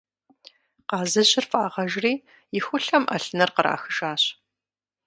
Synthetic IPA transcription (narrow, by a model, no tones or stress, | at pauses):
qɑːzɐʑɪrfʼaːʁɐʒriː | jɪxʷʊɬɐmʔɐ̰ɬɨnɐrqəɾʔa̰ːxɨʒaːɕ